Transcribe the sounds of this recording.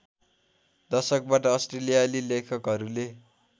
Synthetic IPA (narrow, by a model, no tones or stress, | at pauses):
d̪ʌsʌk̚baʈʌːsʈrelijalilekʰʌkɦʌɾule